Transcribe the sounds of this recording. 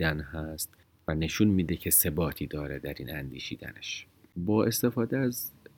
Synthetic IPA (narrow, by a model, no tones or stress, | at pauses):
ænɦæst̪ | væne̞ʃunmiːd̪ecʰe̞se̞bɒːt̪ʰiːd̪ɒːɾed̪æɾiːnænd̪ḭːʃḭːd̪æ̰neʃ | bɒːʔe̞st̪e̞fɒːd̪eæz